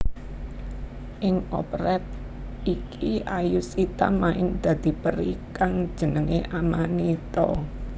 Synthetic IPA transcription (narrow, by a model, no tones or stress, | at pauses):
ʔɪŋɔ̰pɾɛt̪̚ | ikʰiajusit̪a̰maɪnd̪̥ä̤d̪̥i̤pəɾikaŋ̥ʒ̥ə̤nəŋeʔamanit̪ɔ̰